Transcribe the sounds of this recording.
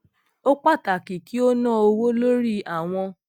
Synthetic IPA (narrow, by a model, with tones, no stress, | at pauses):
o˦k͡pa˦˨ta˨ki˨ki˦o˦nã˦˨o˧wo˦lo˦ɾi˦a˨w̃ɔ̃˧